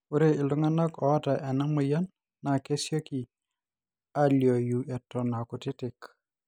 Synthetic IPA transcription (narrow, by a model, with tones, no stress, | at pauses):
u˦ɾe˦ɪ˨lʊ˦ŋa˦nɔ˦kɔ˨a˦ta˨ʔɛ˨na˦mʊ˨ja˦nː | a˨ke˦sjo˦ki˨ | a˦ljo˨ju˨ʔɛ˨tɔ˨na˨kʊ˨tɪ˦tɪ˨k